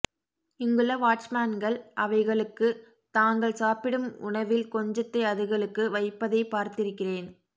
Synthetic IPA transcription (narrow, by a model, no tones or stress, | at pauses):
ɪŋɡɯɭɐʋaːʈt͡ʃmaːnɡɐɭʔɐʋɐɪɣɐɭɯkːɯ | t̪aːŋɡɐɭsaːpɪɽɯmʊ̰ɳɐʋɪlkɔɲd͡ʒɐt̪ːɐɪɐðɯɣɐɭɯkːɯʋɐɪpːɐðɐɪpaːɾt̪ɪɾɯkːɪreːn